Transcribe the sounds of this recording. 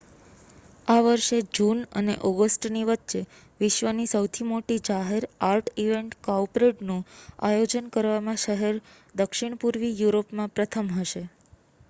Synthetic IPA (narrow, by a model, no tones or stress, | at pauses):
aʋəɾʃed͡ʒunə̰nḛʔɔɡəsʈniʋətːʃe | ʋɪʃʋənisəwt̪ʰimoʈid͡ʒaɦeɾaɾʈʰiʋeɳʈkaupɾeʈnũajod͡ʒənkəɾʋamãʃəɦeɾ | d̪əkʃiɳ̃puɾʋijuɾopmãpɾət̪ʰəmɦəʃe